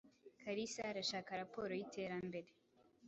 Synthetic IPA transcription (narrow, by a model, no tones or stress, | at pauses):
kʰaɾisaɾaʃaːkaɾapo̞ːɾo̞jite̞ːɾambe̞ɾe